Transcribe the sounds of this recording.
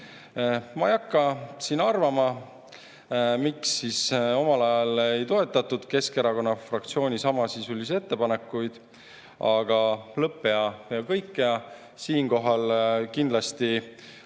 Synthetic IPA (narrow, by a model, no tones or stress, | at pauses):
mɑejɑkːɑsinɑrvɑmɑ | miksːiso̞mɑlɑjɑlejt̪o̞e̞t̪ːˑɑt̪ːud̪̥ke̞ske̞ɾɑko̞nːɑfrɑk̚t̪sio̞ːnisɑmɑsisulʲːis̬e̞t̪ːe̞pɑne̞kːˑujd̪̥ | ɑɡ̥ɑlɤpːˑeɑjɑkɤjkːeɑ | siːnko̞ɦɑlkind̪lɑst̪i